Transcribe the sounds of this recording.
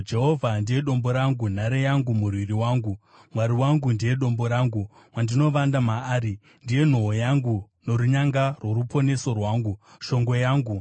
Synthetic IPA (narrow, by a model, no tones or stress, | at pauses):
d͡ʒe̞ɦo̞vʱandije̞ɗo̞mbo̞ɾaŋɡun̤aɾejaŋɡumurwiriwaːŋɡu | mwaɾiwaŋɡundije̞ɗo̞mbo̞ɾaːŋɡu | mwandino̞ʋandamaːɾi | ndije̞n̤oɦojaŋɡuno̞ɾuɲaŋɡarwo̞ɾupʰo̞ne̞so̞rwaːŋɡuʃo̞ŋɡo̞jaːŋɡu